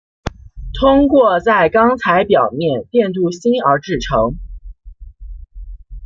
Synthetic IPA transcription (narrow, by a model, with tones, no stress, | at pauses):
t̪ʰʊ˥ŋkwɔ˥˧t͡sa˥˩ɪkɑ˥ŋt͡sʰa˧˥ɪpjɑ˨˩ʊmjɛ˥˧nt̪jɛ˥˧nt̪̬u˥˩ɕi˥nə˞˧˥ʈ͡ʂɻ̩˥˩ʈ͡ʂʰɤ˧˥ŋ